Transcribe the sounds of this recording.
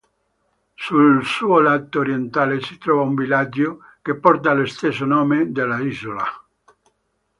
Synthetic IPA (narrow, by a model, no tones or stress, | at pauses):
sulsuolat̪ooɾjent̪alesit̪ɾɔvauɱbilad͡ʒokepɔɾt̪̬alest̪esonomed̪elaizola̰